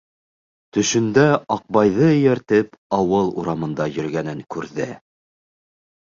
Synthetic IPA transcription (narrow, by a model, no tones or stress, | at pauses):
t̪ɵ̆ʃɵ̆nd̪æɑq̚bɑjðɤjæɾt̪ɘpɑwɤlˠṵɾɑmɤ̆nd̪ɑjɵ̆ɾɡænɘŋkʉɾðɘ̰